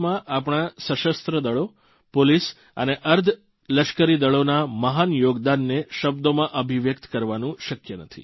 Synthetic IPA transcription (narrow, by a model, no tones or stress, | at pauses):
mãʔap̬ɳ̃ãsəʃəst̪ɾəd̪əɭo | polis | əneʔəɾd̪ʱ | ləʃkəɾid̪əɭonaməɦanjoɡd̪anːeʃəb̚d̪omãʔəbʱiʋjəkt̪kəɾʋanũʃəkjənət̪ʰḭ